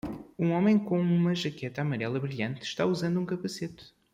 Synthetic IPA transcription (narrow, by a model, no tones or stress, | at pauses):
ũɔmẽj̃kõumɐʒɐkɛt̪ɐamɐɾɛlˠɐβɾiʎɐ̃nt̪ʃt̪auzɐ̃nd̪ũkɐpɐset̪